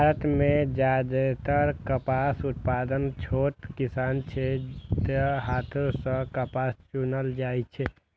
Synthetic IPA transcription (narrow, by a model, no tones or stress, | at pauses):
bʱaɾət̪med͡ʒad̪et̪əɾkəpasut̪̚pad̪ənt͡ʃʰot̪kisaːnt͡ʃʰɛt̪əɦat̪ʰosə̃kəpast͡ʃunəld͡ʒajt͡ʃʰɛ